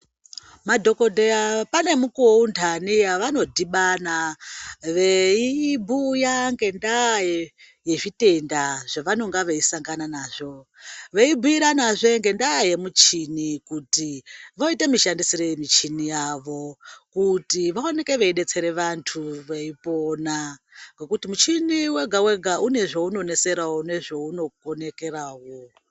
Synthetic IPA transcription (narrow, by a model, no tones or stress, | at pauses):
madʱo̞ko̞dʱeapane̞mukuountʰanijaʋano̞dʱiɓana | ʋeibʱujaŋɡe̞ndaje | jeʐite̞ndaʐ̥aʋano̞ŋɡaʋeisaŋɡananaːʐo̞ʋeibʱuiɾanaʐe̞ŋɡe̞ndaːje̞mut͡ʃinikutiʋo̞itemiʃandisiɾemit͡ʃinijaʋo̞kutiʋaone̞ke̞ʋeiɗe̞t͡se̞ɾe̞ʋantʰuʋeipo̞ːnaŋɡe̞kutimut͡ʃiniwe̞ɡʱawe̞ɡʱaʔune̞ʐouno̞ne̞se̞ɾawone̞ʐouno̞kone̞ke̞raːwo